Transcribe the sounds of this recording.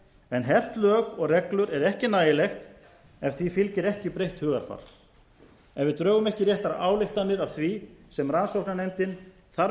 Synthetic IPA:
ɛnɦɛr̥t̪lœːɣɔɣrɛklʏɾɛɾɛhcɪnaːjɪlɛxt̪ | ɛfθvifɪlcɪɾɛhcɪpɾejht̪hʏːɣaɾ̥fa̰ɾ̥ | ɛvɪðt̪ɾœːɣʏmɛhcɪɾrjɛht̪aɾa̰ʔaːwlɪxt̪anːɪɾawθvisɛmransowknanejmt̪ɪn | θaɾ

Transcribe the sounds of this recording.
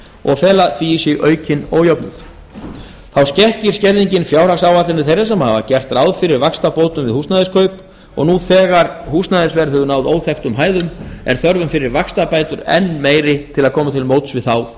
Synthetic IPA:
ɔ̰ɣfɛːlaθviːsjɛɣʔœːɥcʰɪnoːwjɔwpnʏθ | θawscɛhcɪɾ̥scɛɾðiɲcɪnfjaːwɾ̥aksawvat̪lɪnɪθejɾasɛmhavacɛr̥t̪raːwðfɪɾɪɾvakst̪apoːwt̪ʏmvɪðhuːstnaðɪskʰœɥp | ɔ̰ɣnuːθɛːɣaɾhust̪naðɪsvɛɾhʏvʏnawðoːwθɛxt̪ʏmɦaːjðʏmɛ̰ɾ̥θœɾvʏmfɪɾɪɾvakst̪apaːjt̪ʏɾɛ̰nːmeːjɾɪt̪ʰɪlaðkʰɔːmat̪ʰɪlmowt̪svɪðθaw

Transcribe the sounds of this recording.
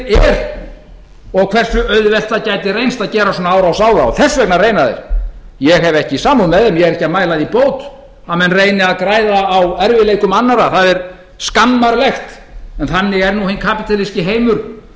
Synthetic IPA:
ɛɾ | ɔɣkʰvɛr̥sʏʔœðvɛl̥t̪acajt̪ɪrejnst̪aðcɛːɾasɔːnaaːwɾawsaːwðaa̰wθɛsːvɛknarejnaðḛɾ̥jɛɣɦɛvɛhcɪisaːmunmɛðɛmjɛɣɛɾɛhcːaðmaːjlaðipoːwt̪ | amɛnreːjnɪaðkɾaːjðaːwɛɾvɪlejkʏmanːaɾaθaðɛɾ | skanːaɾlɛxt̪ɛnθanːɪɣɛɾnuhejnkʰapɪt̪ʰalɪscɪɦeːjmʏɾ̥

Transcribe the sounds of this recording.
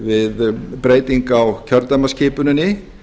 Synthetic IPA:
vɪðpɾeːjt̪iŋkawcʰœɾt̪amascʰɪːpʏnʏnɪ

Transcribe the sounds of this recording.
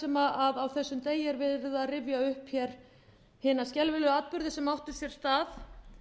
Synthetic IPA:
ɛmaʔaðawθɛsːʏmt̪eːjɛɾvɪðɾɪðaðrɪvjaʏhpçɛɾ̥ | hɪːnascɛlvɪlʏaːt̪̚pʏɾðɪsɛmawht̪ʏ̥sjɛɾ̥st̪aːθ

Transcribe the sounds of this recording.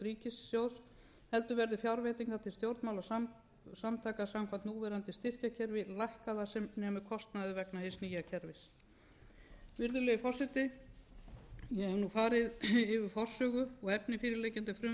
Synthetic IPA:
t̪ɾiːcɪsːjows | hɛlt̪ʏvɛɾðɪfjawɾvɛt̪iŋkθat̪ʰɪlst̪jowɾt̪mawla | samt̪ʰaːjkasamkʰvant̪nuːvɛɾant̪ɪst̪ɪr̥cacʰɛɾvɪlajhkaðasɛmnɛːmʏ̥kʰɔst̪naðɪvɛknaheɪsniːjacʰɛɾvɪs | vɪɾðʏlɛːjʏfɔr̥sɛt̪ɪ | jɛɛvnufaːɾɪðɪvɪfɔr̥sœːɣʏɔɣɛpnɪfiːɾɪɾlejcɪnt̪ɪfɾʏ

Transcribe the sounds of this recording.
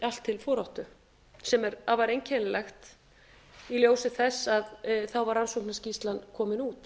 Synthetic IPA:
al̥t̪ʰːɪlfɔːɾawht̪ʏ | sɛmɛɾavaɾejncʰɛnɪlɛxt̪ | iljoːwsɪθɛsaðθawvaɾansowknascist̪lankʰɔːmɪnuːt̪

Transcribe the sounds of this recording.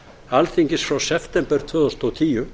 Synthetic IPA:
alθiŋkɪsfɾawsɛft̪ɛmpɛɾ̥t̪ʰvœːðɔst̪ɔt̪ʰiːjʏ

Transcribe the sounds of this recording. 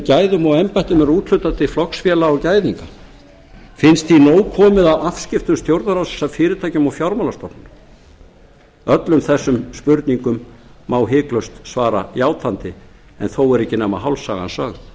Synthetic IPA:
caːjðʏmawɛmpajht̪ʏmɛɾuːt̪ʰl̥ʏɥt̪at̪ɪflɔksfjɛːlaːwcaːjðiŋka | fɪnst̪θinoːwkʰɔːmɪðawafscɪft̪ʏmst̪jowɾt̪naɾawsɛ̥safɪːɾɪt̪ʰaːjcʏmawfjawɾmalast̪ɔpnʏn | œt̪lʏmθɛsːʏmspʏɾt̪niŋkʏmːawɦɪːklœwst̪svaːɾa̰jaːwt̪ʰant̪ɪ | ɛ̰nθowɛɾɪhcːɪnɛːmaɦawlsa̰ɣa̰nsœːɣ

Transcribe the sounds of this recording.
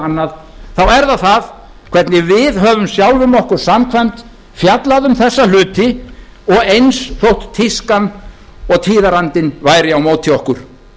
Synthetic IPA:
anːað | θawɛɾðaθað | kʰv̥ɛɾt̪nɪvɪðɦœːvʏmsjawlvʏmɔhkʏɾ̥samkʰvam̥t̪ | fjat̪laðʏmθɛsːalʏːt̪ɪ | ɔɣejnsθowht̪t̪ʰːiskan | ɔɣt̪ʰiːðaɾant̪ɪnvaːjɾɪawmoːwt̪ʰɪɔhkʏɾ̥

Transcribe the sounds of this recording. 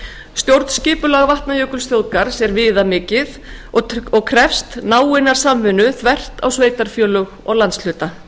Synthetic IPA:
st̪jowɾt̪n̥scɪːpʏlaɣavaht̪najœːkʏlsθjoðkaɾ̥sɛɾvɪːðamɪːcɪð | ɔɔɣkʰɾɛfst̪naːwɪnaɾ̥samːvʏnʏθvɛr̥t̪a̰wsveːjt̪aɾ̥fjœːlʏɣ | ɔ̰ɣlant̪sl̥ʏːt̪a

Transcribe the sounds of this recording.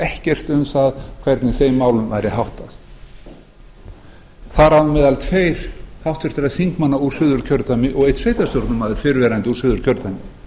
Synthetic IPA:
ɛhcɛr̥t̪ʏmθaðkʰvɛɾt̪nɪθejmːaːwlʏmva̰ːjɾɪhawht̪aθ | θaɾaðmɛːðalt̪ʰveːjɾ̥hawht̪vɛɾt̪ɪɾaðθiŋkmanːauɾ̥sʏːðʏɾ̥cʰœɾt̪amɪʔɔɣeɪjt̪svejt̪ast̪oɾt̪nʏmaðɪɾ̥fɪɾvɛːɾant̪ɪuɾsʏːðʏɾ̥cʰœɾt̪amɪ

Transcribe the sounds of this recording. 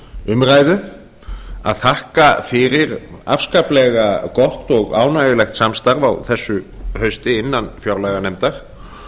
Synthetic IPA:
ʏmraːjðʏ | a̰ðθahkafɪɾɪɾa̰fskaplɛɣakɔht̪ɔɣa̰ːwnajɣɪlɛxt̪samst̪aɾvawθɛsːʏhœɥst̪ɪɪnːanfjawɾlaɣanejmt̪aɾ̥

